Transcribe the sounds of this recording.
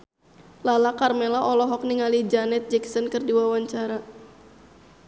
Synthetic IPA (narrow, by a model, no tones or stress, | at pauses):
lalakarmɛlaʔɔlɔɦɔk̚niŋalid͡ʒanɛt̪̚d͡ʒɛksɔnkɨrdiwawaɲt͡ʃaɾa